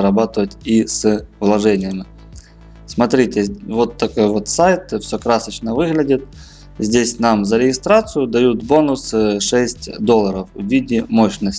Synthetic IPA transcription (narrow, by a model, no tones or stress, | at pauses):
ɾɐbat̪ɨvətʲisvlˠɐʐɛnʲɪjəmʲɪ | smɐt̪ɾʲitʲɪvo̞t̪ːɐko̞jvot̪sajt̪fsʲokɾasət͡ɕnəvɨɣlʲɪdʲɪt̪̚ | zʲdʲesʲnamzəɾʲɪɡʲɪst̪ɾat̪sɨjʊd̪ɐjut̪bo̞nʊsɨʂɛsʲtʲd̪olˠːəɾəfvvʲidʲɪmoɕnəsʲ